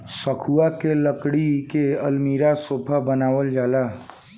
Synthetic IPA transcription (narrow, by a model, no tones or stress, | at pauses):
səkʰuakeləkɽikeəlmiːɾasoːpʰabənaːʋəld͡ʒaːlaː